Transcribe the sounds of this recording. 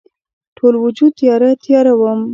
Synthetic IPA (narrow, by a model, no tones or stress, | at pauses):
ʈʰolwʊd͡ʒud̪̚t̪jɑɾat̪jɑɾawəm